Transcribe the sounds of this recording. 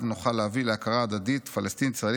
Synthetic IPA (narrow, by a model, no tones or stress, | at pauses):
vnuχaleavileakaʁaːd̪ad̪it̪falest̪inisʁa